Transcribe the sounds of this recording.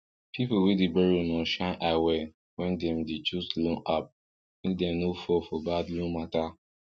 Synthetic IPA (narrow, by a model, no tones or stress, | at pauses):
pʰipowidibɛɹonɔ̃ʃãnʔawɛ | wɛ̃ndɛ̃mdit͡ʃuslɔ̃nap̚ | ĩdɛ̃mnofɔfɔbadlũmata